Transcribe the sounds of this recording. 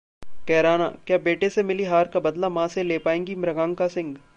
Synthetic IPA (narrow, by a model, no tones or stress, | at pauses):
kɛːɾaːna̰kjaːbeːʈesemɪliɦaːɾkabɐd̪lamãːseleːpaːẽːŋɡimɾɐɡãːŋkasɪ̃ŋɡ